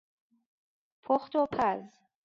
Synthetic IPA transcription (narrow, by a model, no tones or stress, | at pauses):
pʰɔχt̪ʰopʰaz